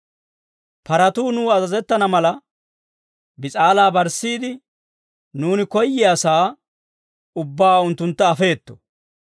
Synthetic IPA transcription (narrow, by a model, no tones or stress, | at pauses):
pɐɾɐt̪uːnuːɐzɐzɛt̪ːɐnɐmɐlɐ | bɪt͡sʼaːlaːbɐɾsːiːd̪ɪ | nuːnɪkɔjːɪasaː | ʊbːaːʊnt̪ːʊnt̪ːɐːfe̞ːt̪ːɔ̥